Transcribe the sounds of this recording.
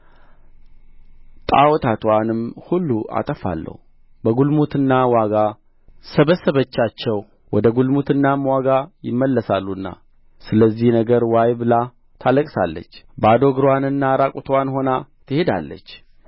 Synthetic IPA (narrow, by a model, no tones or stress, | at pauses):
t̪ʼa̰wɔt̪ʰat̪ʰwanɨmhulːuʔa̰t̪ʼəfa̰lːə̰hu | bəɡulmut̪ʰɨnːawaɡa | səβəsːəβət͡ʃːat͡ʃːɛw | wɔd̪əɡulmut̪ʰɨnːamwaɡajɪ̰mːəlːəsalːunːa̰ | sɨləzːihnəɡəɾwajbɨla | t̪ʰaləkʼsalːə̰t͡ʃːbad̪o̞ɡɨɾwanɨnːaɾakʼut̪ʰwanho̞nat̪ʰɨhe̞d̪a̰lːə̰t͡ʃː